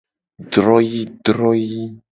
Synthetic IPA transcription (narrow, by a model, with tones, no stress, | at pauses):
ɖɾɔ˦ji˦ɖɾɔ˦ji˦